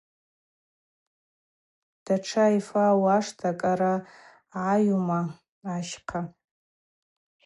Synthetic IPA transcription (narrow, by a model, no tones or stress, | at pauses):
d̥aʈ͡ʂʰajfawaʂtʰakʼaɾa | ʕajuma | aʃqʰa